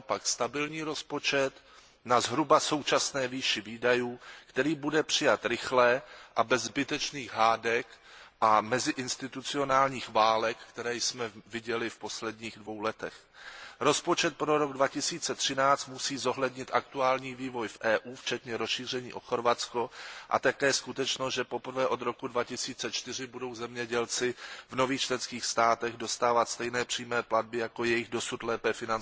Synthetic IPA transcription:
apakst̪abɪlɲiːɾo̞spo̞t͡ʃɛt̪ | nazɦɾubaso̞wt͡ʃasnɛːviːʃɪviːdajuːkt̪ɛɾiːbudɛpr̝̥ɪjat̪ɾɪxlɛʔabɛzːbɪt̪ɛt͡ʃniːɣɦaːdɛk | ʔamɛzɪʔɪnst̪ɪt̪ut͡sɪo̞naːlɲiːxvaːlɛkːt̪ɛɾɛːjsmɛvɪɟɛlɪfpo̞slɛdɲiːɣdvo̞wlɛt̪ɛx | ɾo̞spot͡ʃɛt̪̚pɾoɾoɡdvacɪsiːt͡sɛt̪r̝̥ɪnaːt͡st̪musiːzo̞ɦlɛdɲɪt̪ʔakt̪uaːlɲiːviːvo̞jfʔɛːʔuːft͡ʃɛt̪ɲɛɾosʃiːr̝ɛɲḭːʔo̞xo̞ɾvatt͡skoʔa̰t̪akɛːskut̪ɛt͡ʃnosʒɛpo̞pr̩vɛːʔo̞d̪ɾo̞kudvacɪsiːt͡sɛt͡ʃt̪ɪr̝ɪbudo̞wzɛmɲɛɟɛlt͡sɪvno̞viːxt͡ʃlɛnskiːxst̪aːt̪ɛɣdo̞st̪aːvat̪st̪ɛjnɛːpr̝̥iːmɛːplad̚bɪjakojɛjɪɣdo̞sut̪lɛːpɛfɪnan

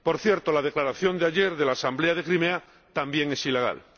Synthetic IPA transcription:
po̞ɾθje̞ɾt̪o̞lað̞e̞klaɾaθjo̞nd̪eaʎe̞ɾðe̞laːsambleað̞e̞kɾimea | t̪ambje̞ŋe̞sile̞ɣa̰l

